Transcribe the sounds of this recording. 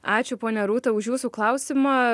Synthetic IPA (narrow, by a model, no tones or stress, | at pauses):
ɑːt͡ʃʲʊpoːnʲɛɾuːt̪ɐʊʃjuːsuklˠɐʊsʲɪmɐ